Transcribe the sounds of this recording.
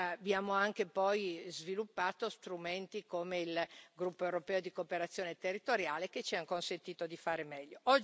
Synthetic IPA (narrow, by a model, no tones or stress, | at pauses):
bjaːmoaŋk̟epɔjzvilupːaːt̪ost̪ɾument̪ikomeilɡɾupːoewɾopɛːod̪ikoːpeɾat̪sːjoːnet̪erːit̪oɾjaːleket͡ʃiaŋkonsent̪iːt̪od̪ifaːɾemɛʎːoɔd͡ʒ